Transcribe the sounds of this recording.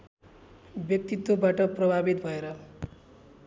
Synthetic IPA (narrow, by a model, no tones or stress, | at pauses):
bjʌk̚t̪it̪ːwobaʈʌprʌbʱabit̪bʱʌeɾʌ